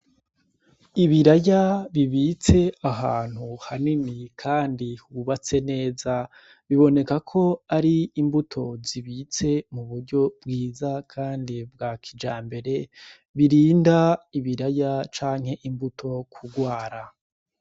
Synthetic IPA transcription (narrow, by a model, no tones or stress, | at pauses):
iβiɾajaβiβit͡se̞aɦaːn̥huhaninikʰaːndihuβat͡se̞ne̞ːza | βiβo̞ne̞kakʰo̞aɾiːmbutʰo̞ziβiːt͡se̞muβuɾɟo̞bɡiːzakʰaːndib̚ɡakʰid͡ʒaːmbe̞ɾe̞ | βiɾiːndaiβiɾajat͡ʃaːŋ̥he̞ʔimbutʰo̞kʰuɡwaːɾa